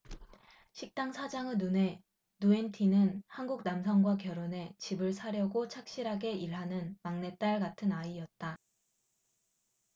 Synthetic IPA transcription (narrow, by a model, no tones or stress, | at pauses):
ɕʰik̚t͈aŋsʰad͡ʑaŋɯnːune̞ | nue̞ntʰinɯnhanɡuk̚namsʰʌŋɡwakjʌɾone̞t͡ɕibɯɭsʰaɾjʌɡot͡ɕʰak̚ɕ͈iɾɦaɡe̞iɭɦanɯnmaŋne̞t͈aɭɡatʰɯnaiʌt̚t͈a